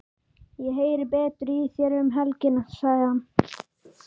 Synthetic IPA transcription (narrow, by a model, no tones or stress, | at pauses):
jɛɦejɾbɛːt̪ɾiθjɛɾʏmɦɛlcɪnasajhan